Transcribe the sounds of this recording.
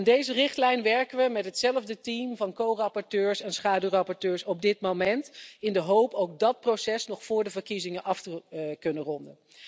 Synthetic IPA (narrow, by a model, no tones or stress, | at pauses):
ɛndejzərɪχtlɛjnʋɛɹkəʋəmɛtɦətsɛləvdətimvɑnkowrɑpɔɹtøːɹsɛnsχaːdyrɑpɔɹtøːɹsɔb̚dɪt̚momɛntɪndəɦowpowk̚dɑt̚prosɛsnɔχfʊːɹdəvəɹkizɪŋənʔɑftəkɵnərɔndə̰n